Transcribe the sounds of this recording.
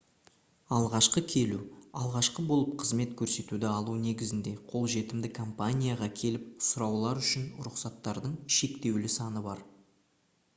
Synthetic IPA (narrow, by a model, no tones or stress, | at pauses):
ɑlˠʁɑʃqəkʲʰe̞luɑlˠʁɑʃqəbo̞lˠəp̚qʰəzme̞t̪kʲʰɵɾse̞t̪ud̪ɪɑlˠune̞ɡʲɪzɪnd̪e̞qʰo̞lˠʒe̞t̪ɪmd̪ɪkʰompanʲijaʁɑkʲʰe̞lɪp̚sʊɾɑwlˠɑɾʏʃɪnɾʊqsɑt̪ːɑɾd̪əɴʃe̞kt̪e̞wlɪsɑnəbɑɾ